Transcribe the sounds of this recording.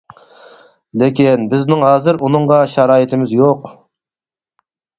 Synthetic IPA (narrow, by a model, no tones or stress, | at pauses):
lɪkʲinbɪznɪŋɦɑːzɪɾunɨŋʁɑʃɑɾɑːjɪt̪ʰɪmɪzjoq